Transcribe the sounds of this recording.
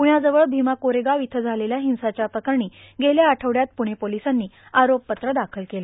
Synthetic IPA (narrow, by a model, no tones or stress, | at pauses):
puɳjad͡zəʋəɭbʱimakoɾeɡaʋit̪ʰəd͡zʱaleljaɦĩw̃sat͡ɕjapɾəkəɾɳiː | ɡʱeljaːʈʰəʋɽjat̪̚puɽ̃epolisanːiːaɾopːət̪ɾəd̪akʰəlkelə